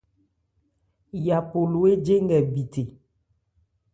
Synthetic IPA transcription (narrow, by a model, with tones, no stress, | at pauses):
ja˨po˨lo˨e˦d͡ʒe˦ŋɡɛ˨bi˨te˨